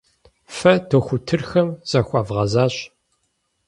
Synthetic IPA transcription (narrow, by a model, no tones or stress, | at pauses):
fɐtʰoxʷʊtʰɨrxɐmz̥ɐxʷɑːvʁɐzaːɕ